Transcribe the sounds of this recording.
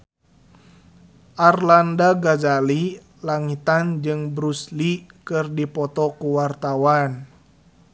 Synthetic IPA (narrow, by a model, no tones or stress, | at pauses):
ʔarlandaɡazali | laŋit̪and͡ʒɨŋbɾuslikɨrdipɔt̪ɔkuwart̪awan